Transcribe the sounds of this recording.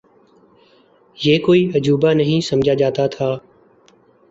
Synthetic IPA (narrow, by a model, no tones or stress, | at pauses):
jeːkoːiːəd͡ʒuːbaːnəɦĩːsəmd͡ʒʱaːd͡ʒaːt̪aːt̪ʰaː